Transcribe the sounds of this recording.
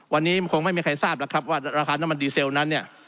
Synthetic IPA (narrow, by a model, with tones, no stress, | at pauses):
wa˧nːiː˦˥kʰo˧ŋma˥˩jmiː˧kʰa˧jsaː˥˩p̚la˦˥kʰɾa˦˥p̚waː˥˩ɾaː˧kʰaː˧na˦˥mːa˧ndiː˧se˧wna˦˥nːi˥˩ɐ